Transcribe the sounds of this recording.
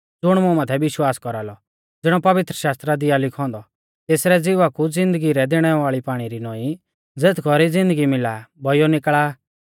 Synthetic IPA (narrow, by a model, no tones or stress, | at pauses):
d͡zʊɽ̃mʊ̃mãːt̪ʰɛʋɪʃwaːskɔɾalɔ | d͡zɪɽ̃ɔpɐʋɪt̪ɾəʃaːst̪ɾad̪ijalɪkʰɔ̃ːnd̪ɔ | t̪eːsɾɛd͡zɪʋakud͡zɪ̃nd̪əɡiɾɛd̪eːɽ̃ɛʋaːɭipaːɽ̃iɾinɔːĩ | d͡zeːt̪ʰɡɔɾid͡zɪ̃nd̪əɡimɪlabʱɔjɔnɪkɭaː